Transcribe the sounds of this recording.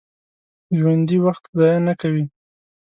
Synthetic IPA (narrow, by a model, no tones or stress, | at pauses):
ʒwand̪iwaxt̪zɑjanakawi